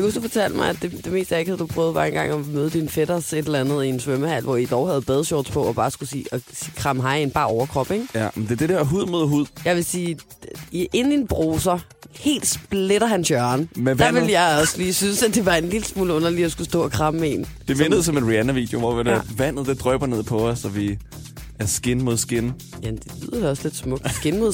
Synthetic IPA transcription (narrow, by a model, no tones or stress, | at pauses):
jakusufɒt͡sʰæl̰d̥mɑɪæ̥e̝d̥e̝me̝ːsd̥jæeɡ̥hæð̩ˠd̥upʰʁœːʊð̞̩ˠʋæ̰ɐ̰enŋɡ̥ɑ̈ŋɒmøːð̞ˠəd̥infeɾ̥ɐse̝d̥elɐænð̞̩ˠie̝nsʋøməhæl̰ʋɒid̥ɒʊhæð̩ˠb̥ɛð̞ˠsjɔ̰ːd̥spʰɒ̽ɒ̽b̥ɑ̈ːsɡ̥usḭːɒsikʰʁɑ̈mɦɑ̈ɪenb̥ɑ̈ːɒʊɐkʰʁɒ̽b̥eŋ̥jænd̥e̝ɐd̥e̝d̥eɐɦuð̰ˠmoðˠɦuð̞̰ˠjɑ̈ɪʋesiː | iʔe̝nn̩inb̥ʁoːs̬ɐhe̝̰ːld̥sb̥leɾ̥ɐhænɕɶɐnmeʋænʋe̝ljɑɪɒ̽sliːsynsæd̥e̝ʋɑ̈e̝nliləsmuːləɔ̽nɐliɒsɡ̥usd̥ɔ̰̽ːɒkʰʁɑ̈məmee̝̰nd̥efenəð̩ˠsɒ̽me̝nʁiænæʋḭːd̥joʋɒʋidæʋæn̰ð̞̩ˠd̥e̝d̥ʁœb̥ɐne̝ð̞̰ˠpʰɒ̽ːsːɒ̽ʋi | ʔæɐsɡ̥enəmo̝ðˠsɡ̥en | jæmnd̥e̝liðˠɐ̥e̝ɒ̽sle̝d̥smɔ̽ɡ̥sɡ̥enmo̝ðˠ